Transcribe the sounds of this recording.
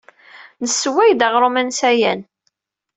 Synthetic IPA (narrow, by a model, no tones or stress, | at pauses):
nəsːwæjd̪ɑʁɾˤomænsæjæn